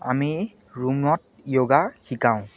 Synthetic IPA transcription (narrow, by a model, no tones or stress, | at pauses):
a̰mi | ɹumɹɔt̚ | joɡaxikãʊ̃